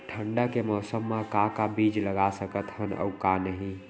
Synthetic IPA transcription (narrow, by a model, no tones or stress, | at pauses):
ʈʰəɳɖakemɔːsəmːakakabid͡ʒləɡasəkət̪ɦənə̰ukanəɦĩ